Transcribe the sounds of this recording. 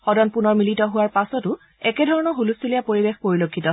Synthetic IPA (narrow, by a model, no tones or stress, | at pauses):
xɔdɔnpunɔɹmilitɔɦʊwaɹpasɔtʊ | ɛkɛdʱɔɹɔnɔxulustʰilijapoɹibexpoɹilokʰːitɔ